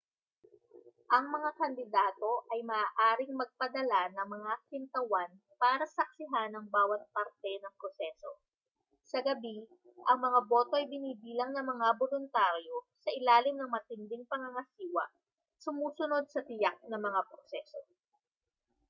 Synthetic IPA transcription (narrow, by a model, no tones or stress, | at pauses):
ʔɐŋmɐŋakɐnd̪ɪd̪aːt̪o̞ʔɐjmɐʔaːʔaːɾɪŋmɐɡ̚pɐd̪ɐlanɐŋmɐŋakɪnt̪ɐwan | paːɾɐsɐk̚sɪɦanɐŋbaːwɐt̪̚pɐɾt̪ɛnɐŋpɾosɛso | sɐɡɐbi | ʔɐŋmɐŋabo̞ːt̪oʔɐjbɪniːbiːlɐŋnɐŋmɐŋabolʊnt̪aɾjo̞sɐʔɪlaːlɪmnɐŋmɐt̪ɪnd̪ɪŋpɐŋɐŋɐsiːwɐ̰ | sʊmuːsʊno̞d̪̚sɐt̪ɪjak̚nɐŋmɐŋapɾosɛːso̞